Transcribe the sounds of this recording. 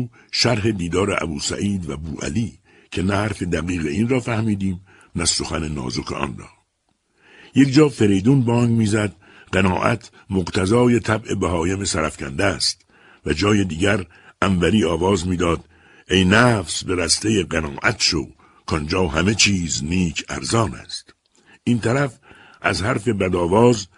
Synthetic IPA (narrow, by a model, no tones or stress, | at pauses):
ʃæɾɦe̞d̪iːd̪ɒːɾeʔæ̰buːsæ̰ʔiːd̪væbuːʔæ̰liː | cʰe̞næhæɾfe̞d̪æɣiːɣeiːnrɒːfæhmiːd̪iːm | næso̞xænenɒ̰ːzokʰḛʔɒ̰nrɒ̰ː | je̞kd͡ʒɒːfe̞ɾejd̪uːnbɒːŋɡmiːzæd̪ | ɢenɒːʔæ̰t̪ʰ | moqt̪ʰæzɒːje̞t̪ʰæbʔe̞bæɦɒːjeme̞sæɾæfcʰænd̪æst̪ | væd͡ʒɒːjed̪iːɟæɾ | ʔæɱvæɾiːɒːvɒːzmiːd̪ɒːd̪ | ejnæfsbe̞ɾæst̪ejeɢenɒːʔæt̪ʃo̰ | kʰɒnd͡ʒɒːɦæme̞t͡ʃʰiːzniːkʰæ̰ɾzɒːnæ̰st̪ | ʔiːnt̪ʰæɾæf | ʔæ̰zhæɾfe̞bæd̪ɒːvɒːz